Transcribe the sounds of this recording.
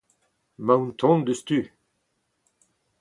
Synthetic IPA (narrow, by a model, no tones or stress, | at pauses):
mãwnt̪ʰɔ̃nd̪əst̪y